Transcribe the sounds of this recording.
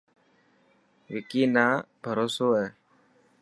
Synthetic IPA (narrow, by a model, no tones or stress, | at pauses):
ʋɪkiːnaːbʱəɾoːsoːɦɛː